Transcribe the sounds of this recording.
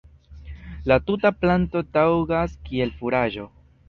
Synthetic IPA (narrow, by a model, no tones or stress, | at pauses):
latutaplanto̞tawɡaskie̞lfuɾaʒo̞